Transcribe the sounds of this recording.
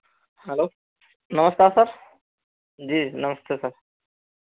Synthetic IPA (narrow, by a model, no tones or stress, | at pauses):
hɛloː | nɐməskaːɾsɐɾ | d͡ʑiːnɐməst̪ʰesɐɾ